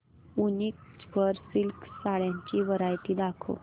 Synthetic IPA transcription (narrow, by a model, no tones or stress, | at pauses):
unik̚t͡sbəɾsilksaɭjãɲt͡ɕiːʋəɾajt̪iːd̪akʰo̰